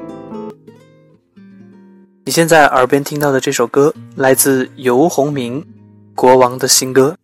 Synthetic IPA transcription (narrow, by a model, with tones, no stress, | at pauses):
ni˨˩ɕjɛ˥˧nt͡sa˥˩ɪʔə̰˞˧˥pjɛ˥nt̪ʰi˥ŋt̪ɑ˥˩ʊd̪ə˩ʈ͡ʂɤ˥˩ʂo˨˩ʊkɤ˥la˧˥ɪt͡sɹ̩˥˩jo˧˥ʊxʊ˧˥ŋmi˧˥ŋ | kwɔ˧˥wɑ˧˥ŋd̪ə˧ɕi˥nkɤ˥